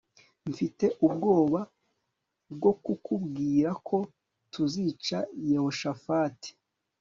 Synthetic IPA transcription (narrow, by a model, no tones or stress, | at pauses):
ɱfite̞ʔub̚ɡo̞ːβa | bɡo̞kukubɡiːɾakʰo̞ | tuzit͡ʃajeho̞ʃafaːti̥